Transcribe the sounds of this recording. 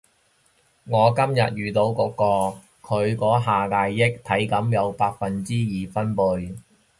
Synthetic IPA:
ŋɔː˨˧kɐ˥mjɐ̰˨t̚jyː˨t̪o˨˧wkɔː˨˧˥kːɔː˧ | kʰɵ˨˧ɥkɔː˨˥ɦaː˨˩kaː˨˧jːɪ˥k̚t̪ʰɐ˨˥jkɐ˨˥mjɐ˨˧wpaː˧t̚fɐ˨nt͡siː˥jiː˨fɐ˥npʊ˧j

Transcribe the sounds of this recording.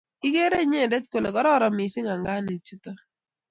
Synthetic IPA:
i˦ɡe˦ɾe˦ɲɛ˦˨dɛ˦tko˨le˨kɔ˦ɾɔ˦ɾɔ˨mɪ˨sɪ˦ŋa˨ŋɡa˦ni˨t͡ʃu˦tɔ˦

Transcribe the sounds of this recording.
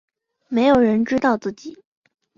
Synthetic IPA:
me˧˥ɪjo˨˩ʊɻə˧˥nʈ͡ʂɻ̩˥t̪ɑ˥˧ʊt͡sɹ̩˥˩t͡ɕi˨˩˦

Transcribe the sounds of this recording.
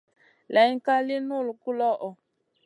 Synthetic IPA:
lɛ˨jŋ̩˦ka˦li˦nu˦˨lku˦lɔ˦ʔɔ˨

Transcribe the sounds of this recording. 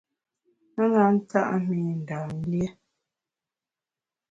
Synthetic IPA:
a˦ŋa˨˦n̩˦ta̰˦ʔmi˨n̩˨da˨n˦ljɛ˦

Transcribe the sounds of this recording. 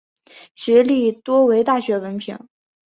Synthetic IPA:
ɕɥɛ˧˥li˥˩t̪wɔ˥we˧˥ɪt̪a˥˩ɕɥɛ˧˥wə˧˥npʰḭ˧˥˦ŋ

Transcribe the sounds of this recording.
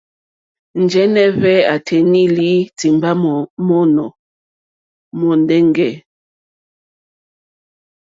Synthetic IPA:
n̩˨d͡ʒɛ˦nɛ˦vɛ˦a˨tʰɛ˨ni˦li˦ti˨mba˦˨mɔ˦nɔ˨ | mɔ˨ndɛ˦ŋɡɛ˦˨

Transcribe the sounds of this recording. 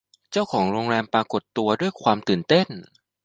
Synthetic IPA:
t͡ɕa˥˩wkʰɔː˩˦ŋɾoː˧ŋɾɛː˧mpɾaː˧ko˨˩t̪ːu˧ɐdu˥˩əjkʰwaː˧mt̪ɯː˨˩nt̪e˥˩n

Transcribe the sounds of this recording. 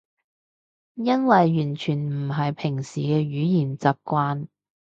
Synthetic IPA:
jɐ˥nwɐ˨jːyː˨˩nt͡ʃʰyː˨˩nm̩˨˩ɦɐ˨jpʰɪ˨˩ŋsiː˨˩kɛː˧ɥyː˨˥jiː˨˩nt͡saː˨p̚kʷwaː˧n

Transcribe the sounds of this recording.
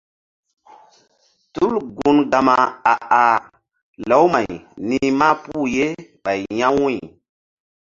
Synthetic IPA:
tu˦lɡu˨nɡa˨ma˨a˨a˨ | lo˨˦wma˨jni˦ma˦pu˦˨je˦ɓa˨jɲã˦wĩ˦˨

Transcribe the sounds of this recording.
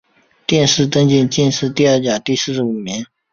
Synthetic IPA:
t̪jɛ˥˧nʂɻ̩˥˩t̪ə˥ŋt͡ɕi˥˧nt͡ɕjɛ˥˧nʂɻ̩˥˧t̪i˥˧ɐ˥˩t͡ɕja˨˩t̪i˥˧sɹ̩˥˩ʂ̩˥˩u˨˩mi˧˥n

